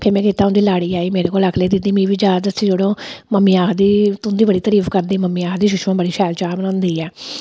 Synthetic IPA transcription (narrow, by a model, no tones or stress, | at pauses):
pʰeːɾmɛ̃ːkeːt̪aːʊ̃nd̪iːlaːɽiːaːiːmeːɾeːkoːləkʰleːd̪ɪd̪iːmĩːʋiːd͡ʒaːd̪əsĩd͡ʒeɽõːməmːiːaːkʰd̪iːt̪ʊnd̪iːbəɽiːt̪əɾiːfkəɾd̪iːməmːiːaːkʰd̪iːʃʊʃmãːbəɽiːʃʰɛːlt͡ʃaːbənãːnd̪iːɛː